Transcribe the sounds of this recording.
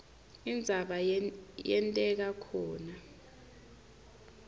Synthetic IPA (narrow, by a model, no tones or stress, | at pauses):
ind͡zʱaɓajɛntʼɛk̬akʰɔːna